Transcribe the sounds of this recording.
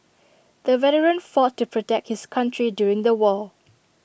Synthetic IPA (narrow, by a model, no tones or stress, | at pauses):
d̥əvɛɾəɹə̃nfɔtːupʰɹɔtɛk̚t̚hɪskʰãntʰɹidjuɹɪ̃ŋd̪əwɔl